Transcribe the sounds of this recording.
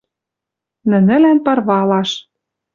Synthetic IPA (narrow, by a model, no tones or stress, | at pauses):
nə̆nɘ̆lænpɤ̆rβɑlɑʃ